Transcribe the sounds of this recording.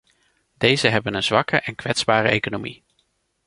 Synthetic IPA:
d̥ejzəɦɛbənənzʋɑkəʔɛnkʋɛtz̥baːrəejkonomi

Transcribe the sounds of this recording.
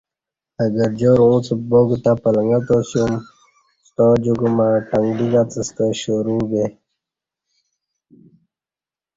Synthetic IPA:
əɡəɾd͡ʑoɾũːt͡sboɡt̪apələŋɡat̪osjum | st̪od͡ʑuɡumaʈaŋɡɖiɡat͡s̪əst̪əɕoɾuɡe

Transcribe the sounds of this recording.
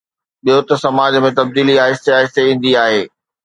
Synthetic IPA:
ɓijot̪ɐsɐmaːd͡ʑmẽt̪ɐb̚d̪iːliaːɪst̪eaːɦɪst̪eĩn̆d̪iaːɦeː

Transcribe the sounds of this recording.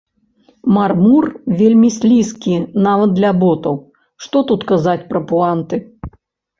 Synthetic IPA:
marmurvʲelʲmʲisʲlʲiskʲinavɐd̪d̪lʲɐbɔt̪ɐw | ʂt̪ɔt̪ut̪kazat͡sʲpɾɐpuant̪ɨ

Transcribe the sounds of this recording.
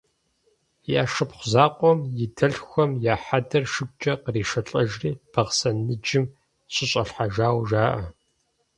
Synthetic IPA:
jaːʂɨpχʷʊzaːqʷʼɔmjɪdʰɐɬxʷɔmjaːħadɐrʃɨɡ̚ʷʼt͡ʃʼɐqəriːʃɐɬʼɐʒriːb̥ʰɐʁsɐnɨd͡ʒɪm | ɕʼɪɕʼɐɬħaʒaːwʒaːʔɐ

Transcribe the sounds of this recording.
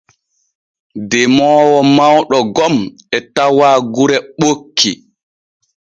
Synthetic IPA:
dɛmɔːwɔmawɗɔɡɔm | ɛtawaːɡuɾɛɓokʰːi

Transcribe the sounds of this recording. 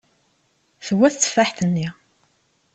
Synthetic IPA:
θəwːæθt͡sːə̥faħθənːi

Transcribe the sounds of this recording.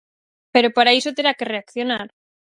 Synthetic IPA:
pe̞ɾo̞paɾaesot̪e̞ɾake̞re̞akθjo̞naɾ

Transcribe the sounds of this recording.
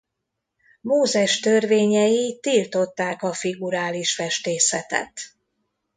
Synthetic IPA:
moːzɛʃt̪ørveːɲɛjit̪ilt̪o̞t̪ːaːkɒfiɡuɾaːliʃfɛʃt̪eːsɛt̪ɛ̰t̪

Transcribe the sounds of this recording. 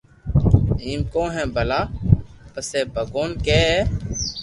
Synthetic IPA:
iːmkõːɦɛ̃ːbʱəlaːpəseːbəɡoːnkeːɦ

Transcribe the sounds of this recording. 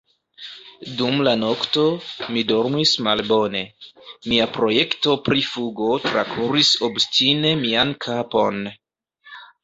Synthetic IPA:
dumlano̞kto̞mido̞ɾmismalbo̞ne̞miapɾo̞jekto̞pɾifuɡo̞tɾa̰kʰuɾiso̞bstine̞miankʰapo̞n

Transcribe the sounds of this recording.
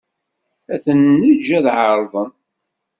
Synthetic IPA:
æθənːəd͡ʒːæðʕəɾˤðˤən

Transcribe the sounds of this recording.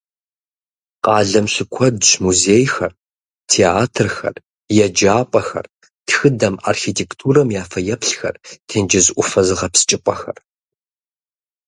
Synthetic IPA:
qʼɑːɮɐmɬɨkʷʰɔdɕmuzeːjxɐr | tʰeːaːtʰɨrxɐ̰r | jɛd͡ʒaːpʷʼɐxɐ̰r | txɨdɐma̰ːrxitʰeːktʰuːɾɐmjaːfɐjɛpɬxɐ̰rtʰeːnd͡ʒɪzʔʷʊfɐzɨʁɐpst͡ʃʼɪpʷʼɐxɐ̰r

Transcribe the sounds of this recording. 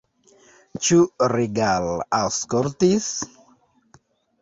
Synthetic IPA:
t͡ʃuriɡalaskɔɾt̪is

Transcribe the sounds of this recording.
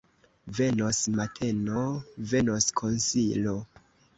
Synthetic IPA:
ve̞nosmatʰe̞nove̞noskʰonsilo

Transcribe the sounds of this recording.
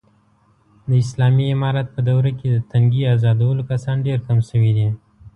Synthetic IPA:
d̪əɪslɑːmiːmɑɾat̪̚pəd̪awɾaked̪ət̪ɐŋɡiaːzɑːd̪awəlokasɑːnɖeɾkamsəwid̪i

